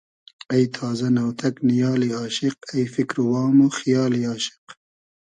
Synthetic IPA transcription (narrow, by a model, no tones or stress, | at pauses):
ɐjt̪ʰaːzɐnɐwt̪ʰɐknijɑːliɑːʃɪq̚ɐjfikɾuwɑːmoxijɑːliɑːʃɪ̥q